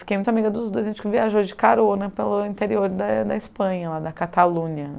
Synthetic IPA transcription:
fikejmũt̪amiɡɐd̪ʊzd̪ojzẽt͡ʃɪkɪviaʒod͡ʒɪkaɾonɐpelʊĩnt̪eɾioɾd̪ɐd̪ɐispɐ̃ɲɐlad̪ɐkat̪alũniɐ

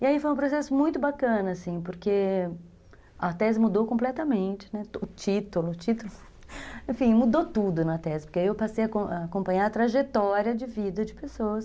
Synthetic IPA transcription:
ɪaifojũpɾosɛsʊmũj̃t̪ʊbakɐ̃nɐasĩpʊɾke | ɐt̪ɛzɪmud̪okõmplɛt̪ɐmẽnt͡ʃɪ̥nɛʊt͡ʃit̪ʊlʊt͡ʃit̪ʊlʊ | ẽfĩmud̪ot̪ud̪ʊnɐt̪ɛzɪ̥poɾkeaiewpasejɐkõʔaːkõpɐ̃ɲaɾɐt̪ɾaʒet̪ɔɾiɐd͡ʒɪvid̪ɐd͡ʒɪpesoɐs

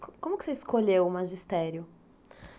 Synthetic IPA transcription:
kõmʊkɪ̥seiskoʎewʊmaʒist̪ɛɾjʊ

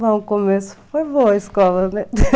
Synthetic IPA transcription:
lãkomesu̥fojβoɐiskɔlˠɐnɛ

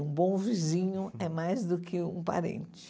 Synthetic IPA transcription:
ũbõw̃vizĩɲʊɛmajzd̪ʊkʰɪũpa̰ɾḛ̃nt͡ʃɪ̥

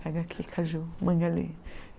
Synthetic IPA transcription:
aɡakʰikʰaʒumə̃ŋɡalḭ

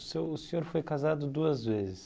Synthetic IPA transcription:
sewʊseɲoɾfojkazad̪ʊd̪uɐzvezɪs

